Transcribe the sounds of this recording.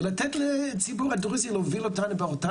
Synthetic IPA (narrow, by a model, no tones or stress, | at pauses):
lat̪ɛtlɛt͡sibuʁaduʁizilovilotanubaota